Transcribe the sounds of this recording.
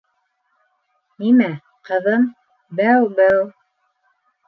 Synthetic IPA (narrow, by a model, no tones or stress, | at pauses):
nimæ | qɤ̆ðɤm | bæwbæw